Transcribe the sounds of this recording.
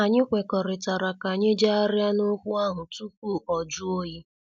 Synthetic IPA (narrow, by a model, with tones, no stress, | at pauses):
a˨ɲɪ˦kʷe˨kɔ˨ɾɪ˨ta˨ɾa˨ka˨ɲɪ˦d͡ʒa˦a˦ɾja˦nʊ˦kʷʊ˦a˦ɦʊ˨tu˦k̚u˦˨ɔ˨d͡ʒʊ˦o˦ji˦